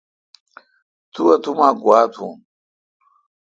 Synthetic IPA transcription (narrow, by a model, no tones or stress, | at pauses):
t̪ʰuwɐt̪umaːɡwaːt̪ʰṵ̃m